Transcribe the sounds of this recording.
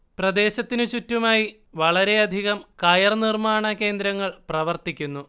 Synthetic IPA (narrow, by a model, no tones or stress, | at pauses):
prɐd̪e̞ːɕɐt̪ːinɨt͡ɕutːumaːji | ʋɐɭɐɾe̞ɐd̪ʱiɣɐmkɐːjɐrnirmaːɳɐke̞ːnd̪ɾɐŋːɐɭprɐʋɐrt̪ikʲːunːu